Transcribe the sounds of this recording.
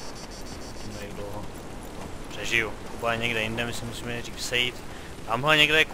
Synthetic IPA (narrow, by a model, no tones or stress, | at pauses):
t̪ɛmɛɾɪɡdlowɦo | pr̥ɛʒɪjukubaɛɲɛɡdɛjɪndɛmɪsɪmusiːmɛriːksɛjit̪ | t̪amɦlɛɲɛɡdɛk